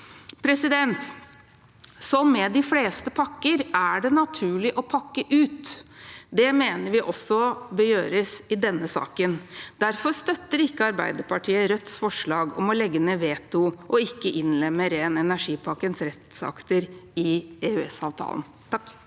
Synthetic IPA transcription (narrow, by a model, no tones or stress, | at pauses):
pʰɾɛsɪd̪ɛnt̪ | sɔmːɛd̪ɪfleːst̪əpʰɑkːəɾæɖɛnɑt̪ʰʉːɭɪʔɔpʰɑkːəʔʉːt̪ | d̪ɛmeːnəɾʋɪʔɔsːɔbəjøːɾəsɪd̪ɛnːəsɑ̰ːkənd̪̥æɾfɔst̪œt̪ːəɾɪkːəɑɾbæ̰ɪd̪əɾpɑʈʰiːəɾœt̪sfɔʂɭɑːɡɔ̰mɔlɛɡːənəʋeːt̪ʊʔɔɪkːəʔɪnlɛmːəɾeːnɛnæʂiːpʰɑkːənsɾɛt̪sɑ̰kt̪əɾɪeʉɛsɑ̰ːʋt̪ʰɑ̰ːl̰n̩ | t̪ʰɑkː